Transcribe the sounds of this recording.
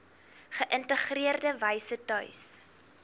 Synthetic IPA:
χəʔəntəχriərdəvəjsətœɥs

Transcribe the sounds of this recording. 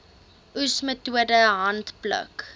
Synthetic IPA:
ʔusmətuədəɦɐntplə̰k

